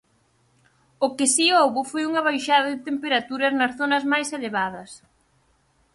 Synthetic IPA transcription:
ʊkɪsiowβʊfojuŋɐβ̞ajʃaðɐðɪt̪empeɾat̪uɾɐznɐsθonɐzmajseleβað̞ɐs

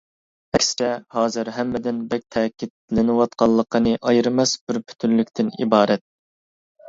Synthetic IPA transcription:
ɛkʲst͡ʃɛhɑːzɨɾɦɛmːɪd̪ɪnbɛk̚ʲt̪ʰɛːkʲʰit̪lɪnɨwɑt̪̚qʰɑlˠːəqʰənɨʔɑjɾɨmɛsbɪɾpʰy̥t̪ʰynlykʲt̪ʰɪnḭbɑːɾɛt̪̚

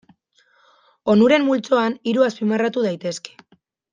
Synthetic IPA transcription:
o̞nuɾe̞mmult͡so̞aniɾuaspimarat̪uð̞ajt̪e̞ske̥

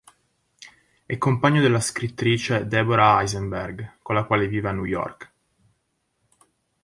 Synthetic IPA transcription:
ɛkːompaɲːod̪elːaskɾit̪ːɾiːt͡ʃed̪ɛboɾaajzembɛrɡkolːakwaːleviːvanːujɔ̰rk

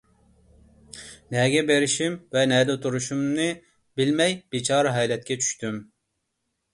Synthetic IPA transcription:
nɛɡʲɛbeɾiʃimvɛnɛd̪ɛt̪ʰuɾuʃumnɨ | bilmɛjbit͡ʃʰɑːɾɨɦɛjlɛt̪̚kʲʰɛt͡ʃʰy̥ʃt̪ʰym

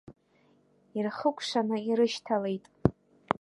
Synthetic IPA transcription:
irχəkʷʰʼʂanɨiɾɨʃtʰalejtʼ

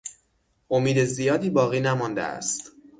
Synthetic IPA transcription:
ʔomiːd̪ezijɒːd̪iːbɒːɣiːnæmɒːnd̪ḛæ̰st̪

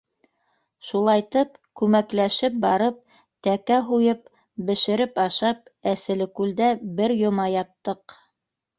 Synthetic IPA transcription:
ʃulˠɑjt̪ɤp̚kʉmæklæʃɘp̚bɑɾɤp̚ | t̪ækæɦujɤp | bɘ̆ʃɘ̆ɾɘpɑʃɑp̚æsɘ̆lɘ̆kʉld̪æbɘɾjŏmɑjɑt̪ːɤq

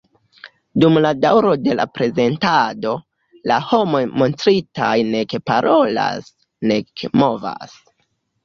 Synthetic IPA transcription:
dumladawɾo̞de̞la̰pɾe̞ze̞ntado̞ | laho̞mo̞jmo̞ntɾitajne̞kepaɾʔo̞la̰s | ne̞kemo̞va̰s

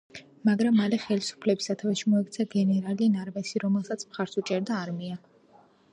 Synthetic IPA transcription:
maɡɾamːalɛχɛlisu̥pʰlɛbisat̪ʰavɛʃimɔɛkt̪sʰaɡɛnɛɾalinaɾvɛsiɾɔmɛlˠsat̪sʰmχaɾsut͡ʃʼɛɾd̪aːɾmia

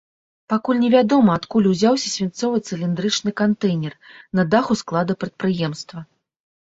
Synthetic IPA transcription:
pakulʲnʲɛvʲad̪ɔmɐːt̪kulʲuzʲawsʲɐsʲvʲant̪sɔvɨt̪sɨlʲind̪ɾɨt͡ʂnɨkant̪ɛjnʲɛrnɐd̪axusklˠad̪ɐpɾɐt̪̚pɾɨjɛmst̪vɐ

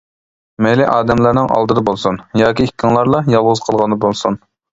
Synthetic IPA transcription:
mejliʔɑːd̪ɛmlæɾnɪŋʔɑ̰lˠd̪ɨd̪ɑbolˠsunjɑːkʲiikʲʰːŋlˠɑɾlˠɑjɑlˠʁʊz̥qʰəlˠʁɑnd̪ɑbolˠsun

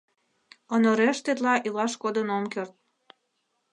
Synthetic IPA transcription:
onoɾeʃt̪et̪lɑʔilɑʃkod̪ənomkørt̪̚

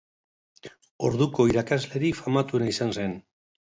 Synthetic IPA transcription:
o̞̰ɾðuko̞iɾakazle̞ɾifamat̪unaisanse̞n

